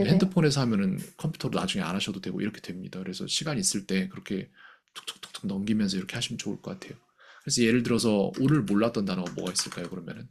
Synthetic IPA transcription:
ehendɯpʰone̞sʰʌɦamjʌnɯnkʰʌmpʰu̥tʰʌɾonad͡ʑuŋe̞a̰nɦaɕʰʌdodwe̞ɡo̰ḭɾʌkʰe̞d̥we̞mɲidakɯɾe̞sʰʌ̰ɕʰiɡaɲiːs͈ɯɭt͈e̞kɯɾʌkʰe̞ | tʰo̥k̚t͈ʰo̥k̚t͈ʰo̥k̚t͈ʰo̥knʌmɡimjʌnsʰʌiɾʌkʰe̞haɕʰimɯnt͡ɕoṵɭk͈ʌk͈atʰe̞jo | kɯɾe̞sʰʌje̞ɾɯɭt̬ɯɾʌsʰʌoɾɯɭmoɭːat͈ʌndanɯnŋɡʌmwoʌɡais͈ɯɭk͈ajokɯɾʌmjʌ̰nɯn

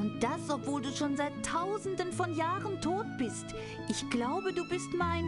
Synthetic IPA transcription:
ʔʊnt̚d̥asɔpv̥oːlduːʃoːnzaɪtʰːaʊzn̩dənfɔnjaːʁəntʰoːt̚b̥ɪst | ʔɪçɡ̥laʊbəduːbɪstmaɪn

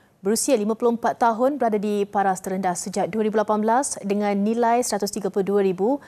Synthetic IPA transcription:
bəɾusialimãpulʊhəmpat̪ːaɦʊnbəɾadadipaɾast̪əɾəndahsəd͡ʒak̚duaɾibulapanbəlasdəŋãnːĩlajsəɾat̪ʊst̪iɡaplʊduaɾibu

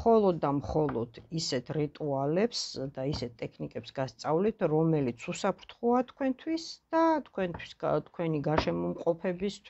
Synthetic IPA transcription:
χɔlˠɔd̪ːamχɔlˠɔd̪̥isɛt̪ʰɾit̪ʼualɛpsd̪aisɛt̪̚t̪ʼɛkʰnikʼɛpsɡast̪sʼavlit̪ʰɾɔmɛlit̪sʰusapʰɾt̪ʰχuat̪ʰkʰwɛnt̪ʰwisd̪̥at̪ʰkʰwɛnt̪ʰwi̥sɡt̪ʰkʰwɛniɡaʃɛmɔmqʼɔpʰɛbist̪ʰwi

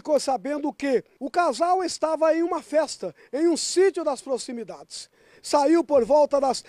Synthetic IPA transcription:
kosabẽnd̪ʊkɪʊkazawest̪avɐẽj̃ũmɐfɛst̪ɐ | ẽj̃ũsit͡ʃjʊd̪ɐspɾosimid̪ad͡ʒɪs | saiwpoɾvɔwt̪ɐd̪ɐs

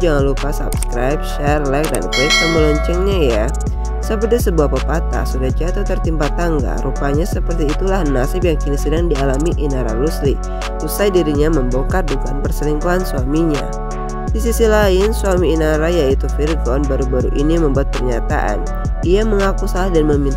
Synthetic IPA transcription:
d͡ʒaŋanlupasa̰pskɾajp̚ʃɛrlɛk̚da̰nkɔkaməlɔɲt͡ʃɛŋɲaja | səpərt̪isəbuahpapat̪a̰sudad͡ʒat̪at̪ərt̪impat̪aŋɡa̰ɾupaɲasəpərt̪iːt̪ulahnasɪp̚jaŋkinisədaŋdialamiʔinaɾa̰luslḭ | usajdiɾiɲaməmbokat̪̚bukanpərsəliŋkuansuamiɲa̰ | disisilaɪnsuamiːnaɾajait̪ufirɡɔnbaɾubaɾṵʔiniməmbuat̪̚pərɲat̪a̰ʔa̰n | iaməŋakusalahdanməmint̪

